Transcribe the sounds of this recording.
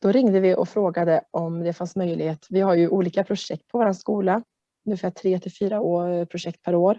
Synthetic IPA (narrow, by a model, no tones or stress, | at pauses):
d̪̥ɔɾɪŋd̪əvɪʔɔ̰fɾoːɡad̪əʔɔmd̪ɛfansmœjlɪɡheːt̪vɪhaɾjɵʔuːliːkapʰɾʊʂɛk̚t̪̚pʰɔvaːɾanskuːla | ɵnːɪfæːʈʰɾeːt̪ʰɪlfyːɾaoːpʰɾʊʂɛk̚t̪̚pʰæɾoːɾ